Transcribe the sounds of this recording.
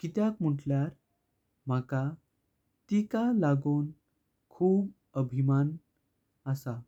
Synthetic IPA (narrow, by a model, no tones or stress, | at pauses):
kit̪jakm̤əʈljaɾ | m̤aka | t̪ikalaɡoːn | kʰuːb | əbʱiman | əsa